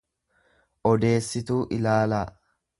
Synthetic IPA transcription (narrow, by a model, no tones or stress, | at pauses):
ʔɔd̪e̞ːsːɪt̪uːʔɪlaːla